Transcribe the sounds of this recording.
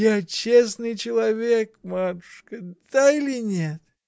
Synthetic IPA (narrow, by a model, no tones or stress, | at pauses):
jat͡ɕes̬nɨjt͡ɕɪlˠɐvʲekmat̪ʊ̥ʂkəd̪̥ailʲɪnʲet̪